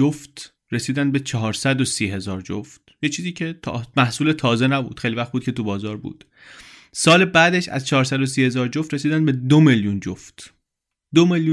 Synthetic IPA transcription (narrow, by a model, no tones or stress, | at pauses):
oft̪ | ɾe̞siːd̪ænd̪̚bet͡ʃʰɒɦɒːɾsæd̪osiːɦe̞zɒːɾd͡ʒo̰ft̪̚jet͡ʃʰiːziːcʰe̞t̪ʰːmæhsuːle̞t̪ʰɒːze̞næbṵːd̪xejlivæxχt̪buːd̪̚cʰe̞t̪ubɒːzɒːɾbṵːd̪̥ | sɒːlebæːd̪eʃæ̰zt͡ʃʰɒɦːɾsæd̪o̞siːhe̞zɒːɾd͡ʒoft̪re̞siːd̪ænd̪be̞d̪omeljund͡ʒoft̪ | d̪omelju